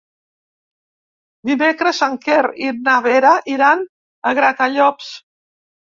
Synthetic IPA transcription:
d̪imekɾəsaŋkeɾinaβeɾaʔiɾan | əɣɾakaʎɔps

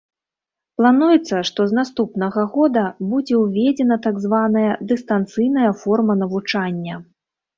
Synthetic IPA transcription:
plˠanujɛt̪sːɐʂt̪ɔznast̪upnɐɣɐɣɔd̪ɐbud͡zʲɛwvʲɛd͡zʲɛnɐt̪aɡzvanɐjɐd̪ɨst̪ant̪sɨjnɐjɐfɔrmɐnɐvut͡ʂanʲːɐ

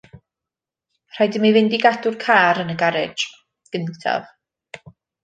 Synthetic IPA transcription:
r̥ajdəmivɪndiɡadʊrkʰaːɾənəɡaɾɪd͡ʒ | ɡ̥əntʰa̰v

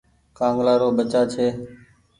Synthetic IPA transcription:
kãːŋɡlaːɾoːɓət͡ʃaːt͡ʃʰeː

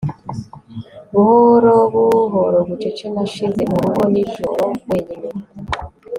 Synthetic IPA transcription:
βuhoɾoβuɦoɾoβut͡ʃet͡ʃenaʃizemuɾuβoniʒo̰ɾoweɲine

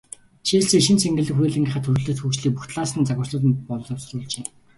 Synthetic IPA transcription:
ʃiːɮt͡siʃɪ̆nt͡sʰeŋɡʲɘ̆ɮɘ̆xujeːɮĭŋɡʲĭχə̆t̪ʰːɵrɣ̆ɮɘ̆t̪xukt͡ɕɮiːk̚puxt̪ɮaːsə̆nt͡saɣə̆rɮə̆t̪pɔɮɞ̆ɮɞ̆psrʊːɮt͡ɕeː

